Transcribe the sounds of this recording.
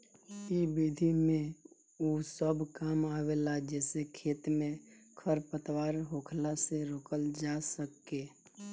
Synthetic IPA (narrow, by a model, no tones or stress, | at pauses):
ibiːd̪ʱimẽ | uːsəbkaːmaːweːlad͡ʒɛːsekʰeːt̪mẽ | kʰəɾpət̪waːɾɦoːkʰlaseɾoːkəld͡ʒaːsəkːeː